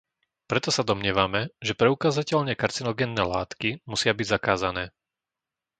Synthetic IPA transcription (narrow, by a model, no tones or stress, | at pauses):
pɾɛt̪ɔsad̪ɔmɲɪɛʋamɛʒɛpɾɛukaːzacɛʎɲɛkaɾt͡sinɔɡɛnːɛːlaːt̪kimusɪabiɟzakaːzanɛː